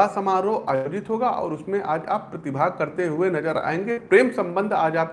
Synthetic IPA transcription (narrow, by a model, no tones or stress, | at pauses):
asɐmaːɾoʔaːjoːd͡ʒɪt̪ɦoːɡaʔɔ̰ːɾʊsmẽʔa̰ːd͡ʒa̰ːpːɾɐt̪ɪbʱaːɡ̚kɐɾt̪eɦʊenɐd͡ʒəɾa̰ːẽːŋɡepɾeːmsɐ̃mbə̃nd̪ʱaːd͡ʒaːp̚